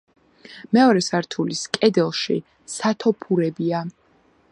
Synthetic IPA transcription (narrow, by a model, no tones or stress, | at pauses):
mɛɔɾɛsaɾt̪ʰuliskʼɛd̪ɛlˠʃḭ | sat̪ʰɔpʰuɾɛbia